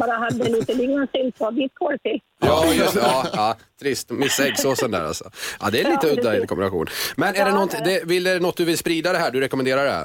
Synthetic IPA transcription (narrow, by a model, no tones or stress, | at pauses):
bɑːɾaɦad̪ːəɛliːt̪əliɡnansɪlt̪ad̪ɪt̪kʰɔɾtɪ | jɑːjɪsɑːɑː | t̪ʰɾɪst̪mɪsːaɛɡsoːsənd̪æ̰ɾa̰lsɔʔa̰d̪ɛːliːt̪əɵd̪ːaɪnkʰɔmbɪnaɧṵːnmɛnæɖɛnɔnt̪ɪd̪ɛvɪlɛnɔt̪̚d̪ɵvɪlspɾiːd̪ad̪ɛɦæːɖɵɾɛkɔmɛnd̪eːɾaɖɛhæ̰ːɾ